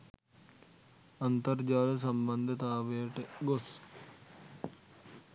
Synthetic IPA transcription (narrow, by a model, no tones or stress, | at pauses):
ənt̪əɾd͡ʒaːlsəmbə̃nd̪ʱt̪aːʋeːʈɡos